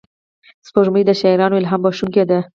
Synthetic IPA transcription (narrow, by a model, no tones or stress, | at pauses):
spoʒməjd̪əʃaiɾɑnoɪlɦɑmbɑʃuŋked̪a